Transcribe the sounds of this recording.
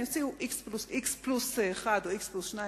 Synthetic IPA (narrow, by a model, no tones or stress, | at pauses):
ot͡siuʔiksplusʔiksplusːχad̪oiksplusʃna